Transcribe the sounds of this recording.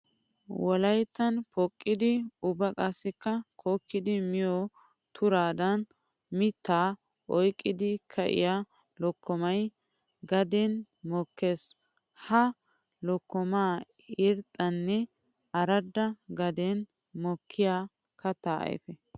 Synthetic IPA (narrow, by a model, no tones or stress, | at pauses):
wɔlɐjt̪ːɐnpɔkʼːɪd̪ɪʊbɐkʼɐsːɪkːɐkʰoːkːɪd̪ɪmɪjɔ | t̪ʊɾaːd̪ɐn | mɪt̪ːaː | ʔɔjkʼːɪd̪ɪkʰɐʔɪ̰ja | lɔkːɔmɐj | ɡɐd̪ɛn | mɔkʰːeːs | hɐ | lɔkːɔmaː | ɪɾt̪ʼːɐnːɛ | ɐɾɐd̪ːɐɡɐd̪ɛn | mɔkʰːɪjaː | kɐt̪ːaːʔɐ̰j̰fɛ